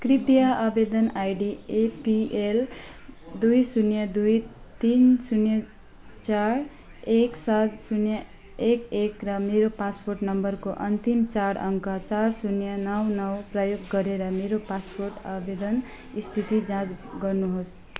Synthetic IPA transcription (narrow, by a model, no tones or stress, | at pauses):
kripijaʔabed̪ʌnajɖiepiel | d̪ujsunjʌd̪ujt̪insunjʌ | t͡saɾ | eksad̪sunjʌ | ekekrʌmeɾopasporʈnʌmbʌrkoʔʌnt̪imt͡saɽʌŋkʌt͡sarsunjʌnʌwnʌwprʌjoɡːʌɾeɾʌmeɾopasporʈabed̪ʌn | ist̪ʰit̪id͡zãt͡sɡʌrnuɦos